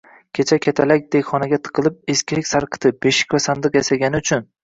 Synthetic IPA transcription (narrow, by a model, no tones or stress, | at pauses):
kʲʰet͡ʃʰakʲʰat̪ʰalak̚ʲd̪eχɒnaɡʲat̪ʰɨ̥qʰɨlˠɪp̚eskʲʰilɪkʲsaɾqʰɨ̥t̪ʰɪbeʃɪ̥kʲvasand̪ɨqjasaɡʲanɪʊt͡ʃʰʊn